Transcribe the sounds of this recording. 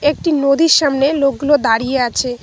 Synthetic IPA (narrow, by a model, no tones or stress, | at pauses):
ek̚ʈinod̪iɾʃamnelok̚ɡulod̪aɾijeat͡ɕʰe